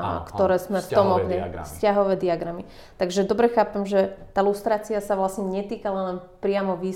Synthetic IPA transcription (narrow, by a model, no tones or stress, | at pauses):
a̰kt̪ɔɾɛːzmɛft̪ɔmɔkɲɛfscaɦɔʋɛːd̪iaɡɾami | t̪aɡʒɛd̪ɔbɾɛxaːpɛmʒɛt̪alust̪ɾaːt͡siasaʋlasɲɛɲɛt̪iːkalalɛnpɾɪamɔʋiː